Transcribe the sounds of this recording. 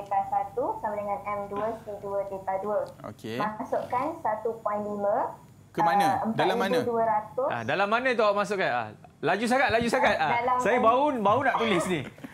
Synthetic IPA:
et̪asat̪usamadəŋãnɛmduəsiduədet̪aduəo̰kemasʊʔkansat̪upwanlimə̃ | kəmanãəmpdalamːanãduəɾat̪ʊa̰dalamːanãit̪uaʔmas̬ʊʔkana̰lad͡ʒus̬akat̪̚lad͡ʒusakat̪̚aalasajabaubaunaʔt̪ulɪsni

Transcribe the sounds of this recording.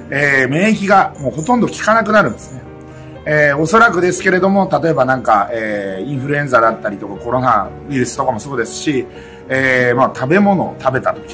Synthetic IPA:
eːmẽːk̬ʲiɡamoːɦo̞t̪õ̞nd̪o̞kʲi̥kanak̬ɯ̟naɾɯ̟̃nd̪esɨ̥ne̞ | eːo̞so̞ɾakɯ̟d̪e̞sɨ̥ke̞ɾe̞d̪o̞mo̞t̪at̪o̞e̞banãŋkaeːĩɰ̃ɸɯ̟ɾɯ̟ẽ̞ñzad̪at̪ːaɾʲit̪o̞kako̞ɾo̞nabiɾɯ̟sɨ̥t̪o̞kamo̞so̞ːd̪e̞sɨ̥ɕi | eːmat̪ʰabe̞mo̞no̞̰ːt̪abe̞t̪at̪o̞̥kʲi̥

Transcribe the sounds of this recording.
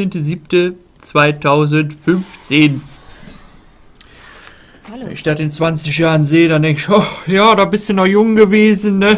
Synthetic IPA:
eːntəziːp̚tə | t͡sv̥aɪtʰaʊzəntfʏnft͡seːn | vɛ̰nɪ̰çd̥aːtɪnt͡sv̥ant͡sɪçjaːʁənzeːədandɛŋkɪçʔɔχjaːdaːbɪstunɔχjʊŋɡəveːzn̩nə

